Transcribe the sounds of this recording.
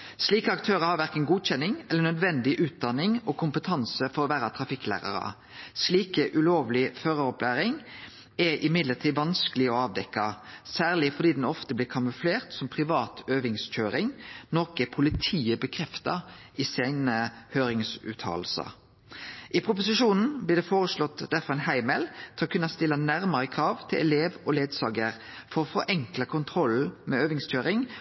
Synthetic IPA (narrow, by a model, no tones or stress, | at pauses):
sliːkəɑkt̪ʰøːʁəhɑɾʋæʁkənɡuːc͡çɛnːɪŋɛlːənœd̪ʋɛnd̪ɪʔʉːt̪̚d̪ɑnːɪŋɔːkʰʊmpət̪ʰɑnsəfɔɾɔʋæːɾɑt̪ʰʁɑfɪkːlæ̰ːʁɑ̰ʁɑ̰ | sliːkəʔʉloːʋlɪføːʁəɔplæːʁɪŋ | ɛʔɪmɪd̪ləʁt̪ʰiːʋɑnskəlɪɔɑːʋd̪ɛkːɑsæːʁlɪfɔd̪iːd̪ɛnɔft̪əblɪːkʰɑmʉfleːʁt̪sɔmpʰʁɪʋɑːt̪ʰøːʋɪŋsc͡çøːɾɪŋnɔʁkəpʰʊlɪt̪ʰiːəbəkʰʁɛft̪ɑ̰ | ɪsæɪnəhøːɾɪŋsʉ̰ːt̪ʰɑ̰ːlsɑ̰ | ʔɪpʰɾʊp̬ʊsɪʃuːnn̩blɪːʁd̪ɛːfoːʁəslɔt̪ːd̪æɾfɔɾʁæɪnhæɪmɛlt̪ʰɛɔkʉnɑst̪ɪlːɑnæʁməʁəkʰɾɑːʋt̪ʰɪlʔɛ̰leːʋɔleːd̪sɑːɡəʁ | fɔʁɔfɔɾʔɛŋklɑkʰʊnt̪ʰʁɔl̩ːmɛøːʋɪŋsc͡çøːɾɪŋ